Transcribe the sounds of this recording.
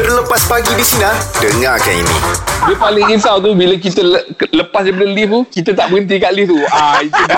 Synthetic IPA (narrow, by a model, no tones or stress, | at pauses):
dələpaspaɡidisiniadəŋakanḭnḭ̃diəpalɪŋisawt̪̬ubilak̬it̪ələləpasdɛpadəlift̪ukit̪at̪aʔbəɡənt̪̬ikaʔlift̪uait̪u